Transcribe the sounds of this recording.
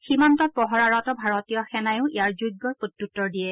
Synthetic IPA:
ximantɔt̚pɔɦɔɹaɹɔtɔbʱaɹɔtijɔxɛnajʊ̃ijaɹzujɡːɔɹpotːutːɔɹdijɛ

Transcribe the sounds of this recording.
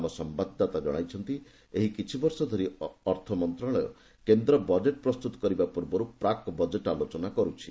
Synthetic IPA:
mɔsɔmbad̪ʱːat̪ad͡ʒɔɽ̃ajt͡ʃʰɔnt̪i | eɦikit͡ʃʰibɔɾsɔd̪ʱɔɾiɔɾt̪ʰɔmɔnt̪ɾaɭɔjɔ̰ | kend̪ɾɔbɔd͡ʒeʈ̚pɾɔst̪ut̪ɔ̥kɔɾibapuɾbɔɾupɾakɔbɔd͡ʒeʈalot͡ʃɔnakɔɾut͡ʃʰi̥

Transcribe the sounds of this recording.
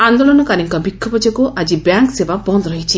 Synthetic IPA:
and̪olɔnɔkaɾiŋkabikʰːɔbɔd͡ʒɔkuʔad͡ʒibjaŋksebabɔnd̪ɔɾɔɦit͡ʃʰi

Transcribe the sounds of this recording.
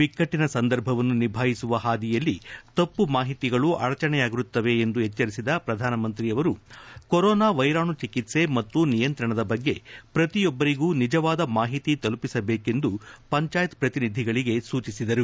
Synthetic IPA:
ʋikːɐʈːinɐsɐnd̪ɐɾbʱɐʋɐnːunibʱaːjisuʋɐɦaːd̪ijɐlːit̪ɐpːumaːɦit̪iɡɐɭuʔɐɾɐt͡ʃɐɳɛjaːɡiɾut̪ːɐʋe̞ːnd̪uɦɛt͡ʃːɐɾisid̪ɐpɾɐd̪ʱaːnɐmɐnt̪ɾijɐʋɐɾukoɾɔːnaːʋɐjɾaːɳut͡ʃikit̪se̞mɐt̪ːunijɐnt̪ɾɐɳɐd̪ɐbɐɡːe̞pɾɐt̪ijɔbːɐɾiɡuːnid͡ʒɐʋaːd̪ɐmaːɦit̪it̪ɐlupisɐbeːke̞nd̪upɐɲt͡ʃaːjɐt̪pɾɐt̪inid̪ʱiɡɐɭiɡe̞suːt͡ʃisid̪ɐɾu

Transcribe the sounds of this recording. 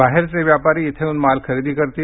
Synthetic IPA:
aɦeɾt͡seʋjapaɾiːɪt̪ʰeunmalkʰəɾiːd̪iːkəɾt̪iː

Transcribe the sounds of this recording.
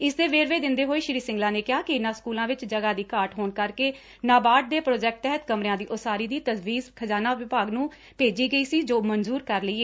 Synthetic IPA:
ɪsd̪eːʋeːɾʋeːd̪ɪnd̪eːɦoːiːʃɾiːsɪ̃ŋɡlãːneːkɪɦaːkɪɪnãːskuːlãːʋɪt͡ʃd͡ʒəɡaːd̪iːkaːɾʈɦoːnkəɾkeː | naːbaːʈ̚d̪eːpɾoːd͡ʒɛːk̚ʈ̚t̪ɛɦət̪kəmɾɪjãːd̪iːʔʊsaːɾiːd̪iːt̪əzʋiːzkʰəzaːnaːʋɪpaːɡnũː | peːd͡ʒiːɡəiːsiːd͡ʒoːmənzuːɾkəɾləiːeː

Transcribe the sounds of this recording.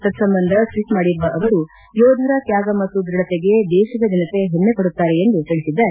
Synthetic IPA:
t̪ɐd̪sɐmbɐnd̪ʱɐsʋiʈmaːɽibɐʔɐʋɐɾu | joːd̪ʱuɾɐkjaːɡɐmɐt̪ːud̪ɾiɽɐt̪eɡe̞d̪ɛːʃid̪ɐd̪inɐt̪e̞ɦenːekoɽut̪ːaːɾeend̪ut̪iɭisid̪ːɐɾe

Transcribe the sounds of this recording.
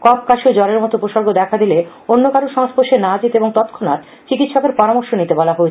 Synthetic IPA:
kɔp̚kaʃiod͡ʑɔleɾmɔt̪oupoʃoɾɡod̪ɛkʰad̪ile | onːokaɾoʃɔŋspoʃenad͡ʑit̪eboŋt̪ɔt̪kʰona̰t̪ | t͡ɕikit̪ʃɔkeɾpɔɾamoɾʃonit̪ebɔlaɦoee

